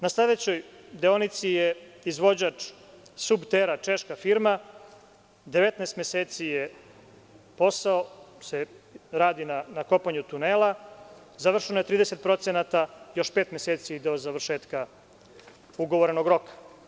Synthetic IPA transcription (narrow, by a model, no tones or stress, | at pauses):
naslad̪et͡ɕo̞jd̪eonit̪sijeizʋo̞d͡ʑat͡ʂ | subt̪eɾat͡ʃe̞ʃkafiɾma | d̪eʋet̪naest̪meseːt̪sije | po̞saoseɾaːd̪inanako̞paɲut̪uneːlˠa | zaʋr̩ʃenoje̞t̪ɾiːd̪ese̞t̪̚pɾo̞t̪senat̪ajo̞ʃpe̞ːt̪meset̪sid̪o̞zaʋr̩ʃeːt̪ka | uɡo̞ʋoɾeno̞ɡɾo̞kḁ